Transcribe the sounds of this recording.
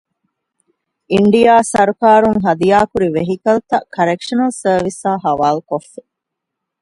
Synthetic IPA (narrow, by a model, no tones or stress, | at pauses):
iɳɖijaːsɐɾukaːɾuŋɦɐd̪ijaːkuɾiʋeɦikɐlt̪ɐkɐɾekʂɐnɐlsəːʋisaːɦɐʋaːlukofːe